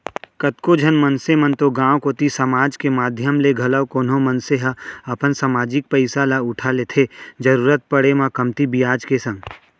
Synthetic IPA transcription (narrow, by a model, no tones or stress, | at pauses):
kɐt̪kod͡ʒʱənmənsemənt̪oɡãːwkoːt̪isɐmaːd͡ʒkemaːd̪ʱjəmleɡʱɐləwkoːnõmənseɦəɐpənsəmaːd͡ʒɪk̚pəɪsalaʊʈʰalet̪ʰed͡ʒɐɾuːɾət̪̚pɐɽemãkɐmt̪ibijaːd͡ʒkesɐ̃ŋɡ